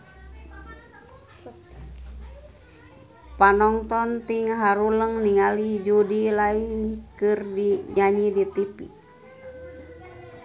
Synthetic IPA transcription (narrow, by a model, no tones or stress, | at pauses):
panɔŋt̪ɔnt̪iŋɦaɾuləŋniŋalid͡ʒudilaikɨrdiɲaɲidit̪ipḭ